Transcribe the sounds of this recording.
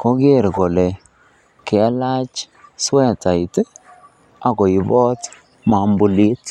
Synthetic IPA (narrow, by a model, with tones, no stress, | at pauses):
kɔ˦ɡe˦˨ɾɡo˨lɛ˨ | kɛ˨a˦la˦t͡ʃ | swɛ˦ta˨i˨t | a˨ɡɔ˨i˨bɔ˦t | ma˨mbu˨li˦t